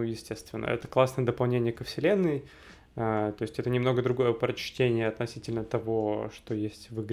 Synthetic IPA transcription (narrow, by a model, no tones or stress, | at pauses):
ujɪsʲtʲe̞st̪vʲɪ̰nːə̰ɛ̰t̪ə̥klˠasnəjəd̪əpɐlˠnʲenʲɪjəkəfsʲɪlʲe̞nːɨj | at̪o̞ɪsʲtʲɛt̪ənʲɪmno̞ɡəd̪ɾʊɡo̞jəpɾət͡ɕtʲenʲɪjəɐt̪nɐsʲitʲɪlʲnət̪ɐvo̞ʂt̪o̞jesʲtʲvɨɡɾʲ